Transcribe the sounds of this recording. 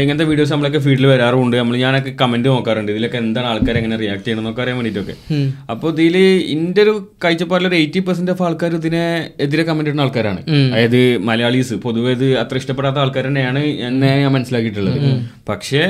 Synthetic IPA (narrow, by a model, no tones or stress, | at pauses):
eŋːɐnɐt̪ːeʋiːɖijo̞ːs̬nɐmːɐɭo̞kːe̞fiːɖɨlɨʋɐɾaːruɳɖɨnɐmːɐɭɲaːno̞k̬ːe̞kɐmendɨno̞ːkːaːruɳɖɨiðilo̞kːeend̪aːnaːɭkaːɾeŋːɐnerijaːk̚ʈɨejɳunːo̞ːkːaːɾejamʋːɳiʈːo̞kːe̞̰ɐpːoiðilḭndeoɾukɐjt͡ɕːɐpːaːʈiloɾuejtːipɐrs̬ɐndefaːɭkːaːɾuðineeðiɾekɐmːenduɾnaːɭkaːɾaːɳɨ̰ɐɐðɨmɐlɐjaːɭiːsɨpo̞ðuʋeɐðɨɐt̪ːrɐʂiʈɐp̬ːeɽaːt̪ːɐaːɭkaːɾɐnejaːɳɨenːeaːmɐnɐsilaːkːiʈ̬ːuɭːɐ̰ðɨ̰pɐkʂe̞